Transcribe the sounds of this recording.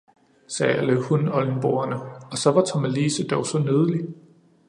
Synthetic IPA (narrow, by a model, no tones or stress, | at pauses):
sɛːæləhunɒ̽ln̩b̥oːɐnəɒ̽sɒ̽ʋɑ̈t͡sʰɒmæliːsəd̥ɒʊsɒ̽nøð̞ˠəli